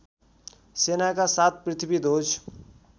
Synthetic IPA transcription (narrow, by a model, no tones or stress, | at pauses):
senakasat̪̚ʰpɾit̪ʰibid̪ot͡ʃʰ